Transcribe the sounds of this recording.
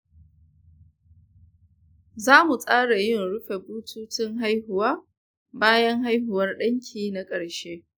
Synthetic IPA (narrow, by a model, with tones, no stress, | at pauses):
zaː˦mu˨sʼaː˦ɽa˨jɪ˦˨nɽʊ˦ɸe˨buː˦tʰuː˦tɪ˦ŋɦa˦jhʊ˨waː˦ | baː˦jɐ˦ŋɦa˦jɦʊ˨wɐ˦rɗɐ˦ŋkʲʰiː˨na˦kʼɐ˨ɽʃeː˦